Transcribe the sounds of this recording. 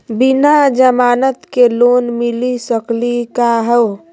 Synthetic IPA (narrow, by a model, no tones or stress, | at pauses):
binad͡ʒəmanət̪kelonmilisəklikaɦəo